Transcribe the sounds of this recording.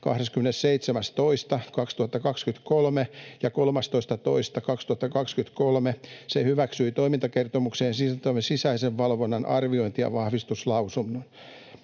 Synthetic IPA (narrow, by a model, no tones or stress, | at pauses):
kɑ̰hɾeskymːenesseit̪semæst̪oist̪ɑkɑkst̪uhɑt̪ːɑkɑkskyt̪kolmejɑkolmɑst̪oist̪ɑt̪oist̪ɑkɑkst̪uhɑt̪ːɑkɑkskynt̪kolmesehyʋæksyit̪oimint̪ɑkert̪omukseːnsit̪omesisæiseʋʋɑlʋonːɑnɑ̰rʋioint̪iɑ̰ʋɑhʋist̪uslɑusunːon